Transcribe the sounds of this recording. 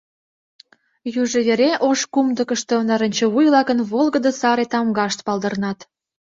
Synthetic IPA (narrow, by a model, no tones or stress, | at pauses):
jyʒə̆βeɾeʔoʃkumd̪ə̆kə̆ʃt̪ŏonɑɾənʲt͡ɕĕβujlɑkə̆nβolˠɣə̆d̪əsɑɾet̪ɑmɡɑʃt̪pɑld̪ə̆rnɑt̪